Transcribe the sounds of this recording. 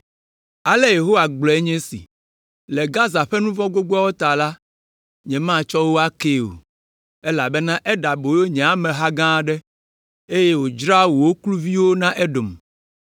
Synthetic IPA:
a˨le˦je˨ɦo˦wa˨ɡ͡blɔ˨e˦ɲɛ̃˦sḭ˨ | lɛ˨ɡa˦za˨ɸe˦nũ˦vɔ̃˦ɡo˦ɡ͡bɔ˦a˦wo˦t̪a˨la˦ | ɲɛ̃˨mã˦˨t͡ʃɔ˦wo˦a˦ke˦˨o̰˨ | e˦la˨bɛ˦nã˦ʔɛ˦ɖa˨bo˨je˦ɲɛ̃˨a˨mɛ̃˨ɦa˦ɡã˦ɖɛ˦ | e˦je˦wo˨d͡ʒɾa˦wo˨wo˦klu˦vi˦wo˦nã˦ʔe˦ɖo˨m

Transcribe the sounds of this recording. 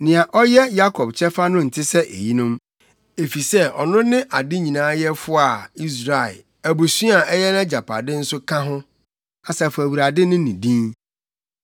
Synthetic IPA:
nɪ̃˨a˨ʔɔ˦jɛ˦ja˦kʰɔ˨bt͡ɕʰɛ˦fa˦nʊ̃˦n̩˨tʰɪ˦sɛ˦ʔḛ˨ji˦nʊ̃˦m | e˨fi˨sɛ˦ɔ˨nʊ̃˦nɪ̃˦ʔa˨dɪ˦ɲĩ˨nãː˦jɛ˦fʊ˦a˨i˦s̬ɾa˨ɪ̰˨ | æ˨bu˨si˦a˨ɛ˦jɛ˦nã˦d͡ʑa˨pʰa̰˨dɪ˦n̩˦sʊ˦kʰã˦ɦʊ̃˦ | a˨sɛ˨fæ˨wi˨ɾa˨dɪ˦nʊ̃˦nĩ˨dĩ˦n

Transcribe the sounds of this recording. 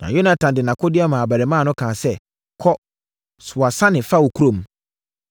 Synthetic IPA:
nã̰˨jo˦nã˨tʰã˨ndɪ˨nã˨kʰo˦dɪ˦a˦mã˨a˨bæ˨ɾɪ˨mãː˦˨nʊ̃˦kʰãː˨sɛ˦ | kʰɔ˦ | sʊ˨a˨sã˦nɪ̃˨fa˦wo˨kʰu˦ɾõ˦˨m˦

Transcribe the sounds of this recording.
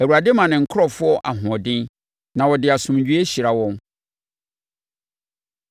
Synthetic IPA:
æ˨wu˨ɾa˨de˦mã˨nɪ̃˨ŋ̩˨kʰɾɔ˨fʊ˦ɔ˦ʔa˨ɦʊ̃˨ɔ˨dɪ̃˦n | nã˨wɔ˨dɪ˨a˨sʊ̃˨mɲ˨d͡ʑᶣu˦e˦ɕi˨ɾa˨wɔ̃˦n

